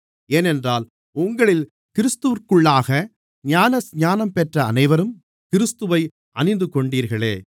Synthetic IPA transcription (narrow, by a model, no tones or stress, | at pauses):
eːnɛndraːl | ʊŋɡɐɭɪl | kɪɾɪst̪ɯʋɾkɯɭːaːɣɐ | ɲaːnɐsɲaːnɐmpɛʈrɐːnɐɪʋɐɾɯm | kɪɾɪst̪ɯʋɐɪ | ʔɐnɪnd̪ɯkɔɳɖiːɾɣɐɭḛː